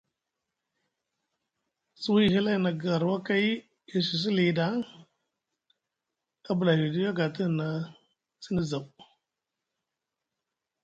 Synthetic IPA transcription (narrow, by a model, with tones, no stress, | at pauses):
su˦wi˦˨hi˦la˦˨na˨ɡa˨ɾwa˦ka˦i˦ | i˨si˨s̬i˦li˨da˨˦ | ka˦bə˨la˨i˨di˦jo˦ɡa˨tə˦˨na˨ | si˦ni˦za˨w